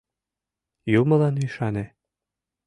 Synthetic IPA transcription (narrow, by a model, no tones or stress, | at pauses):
jumɤ̆lɑnyjʃɑne